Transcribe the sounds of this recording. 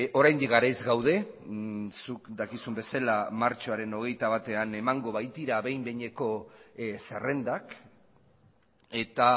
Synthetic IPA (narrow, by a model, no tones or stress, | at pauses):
o̞ɾajnd̪ikɡaɾajzɡawð̞e̞ | sukd̪akisumbe̞salamaɾt͡ʃo̞aɾe̞no̞ɣ̞e̞jt̪aβat̪e̞ane̞maŋɡo̞βajt̪iɾaβe̞jmbeɲe̞ko̞sere̞nd̪ak | e̞t̪a